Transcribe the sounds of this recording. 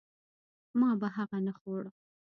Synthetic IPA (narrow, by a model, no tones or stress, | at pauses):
mɑbaɦaɣanaxoɽə